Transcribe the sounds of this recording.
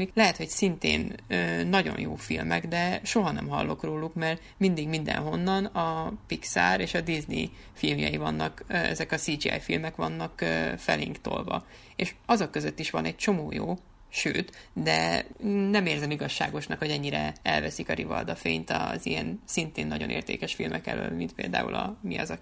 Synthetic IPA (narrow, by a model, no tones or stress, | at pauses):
iklɛɦɛt̪ho̞csint̪ḛːnøːɒɟo̞̰njoːfilmɛɡd̪ɛʃo̞ɦɒnɛmɦɒ̰lːo̞kroːlukmɛr | mind̪iɡmind̪ɛ̰nɦo̞nːɒnɒpiksaːɾeːʃɒd̪izni | filmjɒ̰jivɒnːɒkːɛ̰zɛkɒsiːd͡ʒiɛ̰jfilmɛkʋɒnːɒkːfɛleːŋkt̪o̞̰lvɒ̰ | eːʃɒzokːøzøt̪ːiʃʋɒnɛc̚t͡ʃo̞moːjoː | ʃøːt̪d̪ɛ | nɛmeːrzɛmiɡɒʃːaːɡo̞ʃnɒkho̞ɟɛɲːiɾɛɛlvɛsikɒɾivɒ̰ld̪ɒfeːɲt̪ɒzijɛnsint̪eːnːɒɟo̞nḛːrt̪ḛːkɛʃfilmʔɛkɛ̰løːlmint̪peːld̪a̰ːṵlɒmiɒzɒ